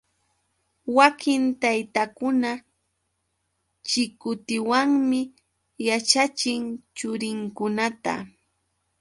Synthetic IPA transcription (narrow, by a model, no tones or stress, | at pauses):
wakʰɪnt̪ajt̪akʊna | t͡ʃɪkʊt̪ɪwaŋmɪ | jat͡ʃat͡ʃɪŋt͡ʃʊɾɪŋkʊnat̪a̰